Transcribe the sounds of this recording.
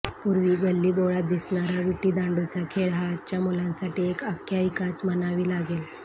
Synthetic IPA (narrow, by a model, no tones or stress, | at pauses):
puɾʋiːɡəlːiːboɭat̪̚d̪isɳaɾaʋiʈiːd̪ãɳɖot͡sakʰeɭɦaːt͡ɕjamulãnsaʈiːekəkʰjaikat͡smənaʋiːlaɡel